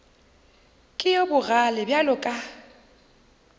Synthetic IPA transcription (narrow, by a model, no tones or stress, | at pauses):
kʼɪjobʊɣalɪbjalʊkʼa